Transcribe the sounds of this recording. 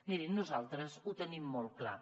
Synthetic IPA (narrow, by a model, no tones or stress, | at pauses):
miɾinnuzalˠt̪ɾəzut̪ənimːɔl̚ˠkla̰